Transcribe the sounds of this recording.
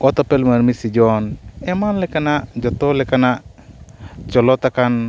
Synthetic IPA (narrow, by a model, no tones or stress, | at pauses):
ɔt̪ɔpɛlmanmisid͡ʒɔnɛmanlɛkanad͡ʒɔt̪ɔlɛkana | t͡ʃɔlɔt̪akan